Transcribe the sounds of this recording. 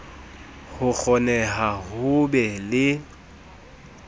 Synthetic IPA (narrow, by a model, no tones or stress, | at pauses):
hʊk͡xʰɔnɛɦahʊbɛlɪ